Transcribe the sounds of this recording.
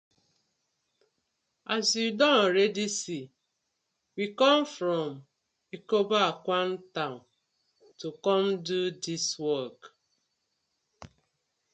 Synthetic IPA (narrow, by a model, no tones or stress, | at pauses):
azjudɔɾedisi | wikɔ̃mfɾɔm | ikobaakʷan̩tãn | tukɔmdudiswɔk